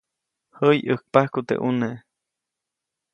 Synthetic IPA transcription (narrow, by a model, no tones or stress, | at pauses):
həjək̚pahkut̪ḛʔuneʔ